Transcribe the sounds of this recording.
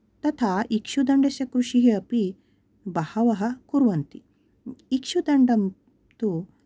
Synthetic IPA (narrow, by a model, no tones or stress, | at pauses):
t̪ɐt̪ʰaʔikʂud̪ɐɳɖesɐkɾuʂiɦiɐpi | bɐhɐʋɐɦɐ̆kuɾʋɐnt̪i | ikʂud̪ɐɳɖɐm | t̪u